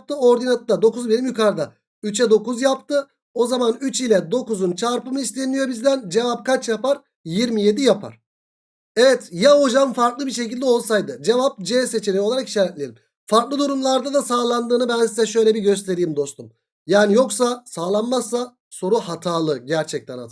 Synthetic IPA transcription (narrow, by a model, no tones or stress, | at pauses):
p̚t̪ʰɯo̞ɾd̪inat̪d̪ad̪o̞kuzbenimjykʰaɾd̪a | yt͡ʃʰɛd̪o̞kuzjapt̪ʰɯ | o̞zamanyt͡ʃilʲɛd̪o̞kuzunt͡ʃʰaɾpɯmɯist̪ʲenijo̞bizd̪ænd͡ʒe̞vap̚kʰat͡ʃjapaɾ | jiɾmije̞d̪ijapʰa̰ɾ̥ | evɛt̪jaod͡ʒamfaɾklˠɯbiʃe̞cilʲd̪ɛo̞lˠsajd̪ɯd͡ʒe̞vap̚d͡ʒɛːse̞t͡ʃʰeɾioaɾaki̥ʃaːɾɛt̪lʲeɾim | faɾklˠɯd̪uɾumlˠaɾd̪ad̪asaːlˠand̪ɯːnɯbænsizɛʃø̞jlʲɛbiɟø̞s̬t̪ʰe̞ɾijːmd̪o̞st̪ʰum | jaːnijo̞ksasaːlˠanmasːa | so̞ɾuɦat̪ʰaːlˠɯɟæɾt͡ʃʰɛc̚t̪ʰɛna̰d̪ɯ